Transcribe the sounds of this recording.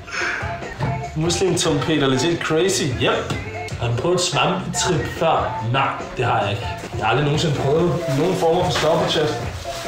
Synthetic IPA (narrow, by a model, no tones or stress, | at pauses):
muslimt͡sʰɒmpʰe̝̰ːɾɐlesed̥̚kʰʁeɪsijem̰b̥ | hɒdupʰʁœːð̩ˠsʋɑmt͡sʰʁib̥fɶɐ̰nɑ̈ɪ̰d̥e̝hɑ̈jɑ̈e̝ɡ̥əjɑɑ̈ld̥ʁino̝ːn̩se̝npʰʁœːðð̩ˠino̝ːn̩fɒ̰ːmɐfɒ̽sd̥ɒbʰɒɕʰed̥